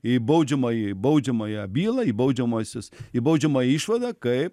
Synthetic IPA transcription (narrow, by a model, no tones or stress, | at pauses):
ibɐwd͡ʒɐmɐjibɐwd͡ʒɐmɐjabiːlɐibɐwd͡ʒɐmɐsɐsibɐwd͡ʒɐmɐjiʃʋɐd̪ɐkɐ